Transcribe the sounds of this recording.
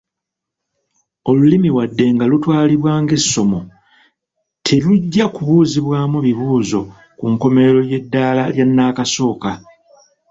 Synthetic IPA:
o̞lulimiwadːe̞ŋɡalutwaːliβwaːŋɡe̞sːo̞mo̞ | tʰe̞luɟːakuβuːziβwaːmuβiβuːzo̞ | kuŋko̞me̞ɾo̞je̞dːaːlaljanːaːkaso̞ːka

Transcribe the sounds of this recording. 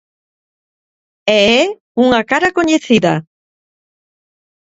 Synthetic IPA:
ee | uŋakaɾakoɲeθiða

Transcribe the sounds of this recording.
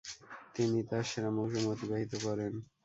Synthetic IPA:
t̪init̪aɾʃeɾamoŋʃomot̪ibaɦit̪okɔɾen

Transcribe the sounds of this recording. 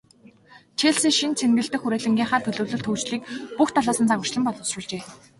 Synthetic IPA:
t͡ɕʰeːɮsiːŋʃint͡sʰenɡɘ̆ɬt̪ɘ̆xuɾæːɮɘ̆ŋɡʲiːɴχaːt̪ʰɵɮɵ̆wɮɵ̆ɬt̪ʰɵwt͡ɕɮiːkpuxt̪ʰɔɮaːsə̆nt͡sʰaʁə̆r̥t͡ɕɮə̆mpɔɮɞ̆srʊ̆ɮt͡ɕeː

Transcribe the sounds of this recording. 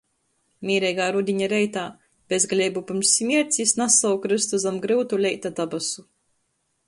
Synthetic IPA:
mʲiːɾɛjɡaːɾud̪ʲiɲaɾɛjt̪aː | b̥ʲezɡlʲejbupɨmsmʲiɛɾt̪sʲisnasawkɾɨst̪uzamɡɾɨwt̪ulʲɛjt̪ad̪abasu

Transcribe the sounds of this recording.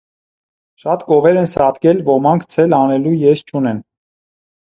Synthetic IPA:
ʃɑt̪kɔvɛɾɛnsɑt̪kɛlvɔmɑŋkʰt͡sʰɛlɑnɛlujɛst͡ʃʰunɛn

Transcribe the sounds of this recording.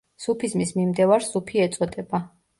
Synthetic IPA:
supʰizmismimd̪ɛvaɾzupʰiɛt̪sʼɔd̪ʼɛba

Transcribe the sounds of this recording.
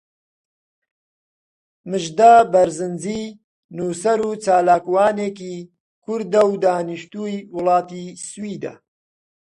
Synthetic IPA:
mɨʒd̪aːbɐɾzɨnziː | nuːsɐɾuːt͡saːlaːkwaːneːkiː | kʰʊɾd̪ɐwd̪aːniʃt̪uːjwʊlɑːt̪iːswiːd̪ɐ̰

